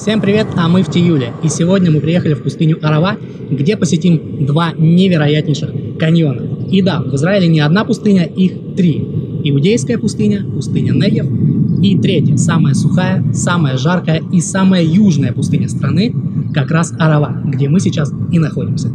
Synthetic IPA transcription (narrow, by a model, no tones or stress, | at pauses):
fsʲe̞mpɾʲɪvʲe̞t̪ɐmɨftʲɪjulʲɪisʲɪvo̞dʲnʲəmɨpɾʲɪje̞xəlʲɪfpʊst̪ɨnʲʊʔɐɾɐva | ɡdʲe̞pəsʲɪtʲimd̪vanʲɪvʲɪɾɐjætʲnʲɪjʂɨxkɐnʲjo̞nəid̪avɨzɾaɪlʲɪnʲɪɐd̪napʊst̪ɨnʲəix | t̪ɾʲiɪʊdʲejskəjəpʊst̪ɨnʲəpʊst̪ɨnʲənɛɡʲɪfit̪ɾʲetʲjəsaməjəsʊxajəsaməjəʐarkəjəisaməjəjuʐnəjəpʊst̪ɨnʲəst̪ɾɐnɨkɐkɾasɐɾɐvaɡdʲemɨsʲɪt͡ɕasɪnɐxo̞dʲɪmsʲə